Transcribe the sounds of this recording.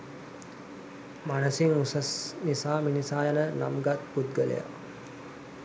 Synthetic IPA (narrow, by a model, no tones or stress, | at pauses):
manəsiŋusəsnisaːminisaːjanəna̰mɡat̪̚pud̪̚ɡəlḛja̰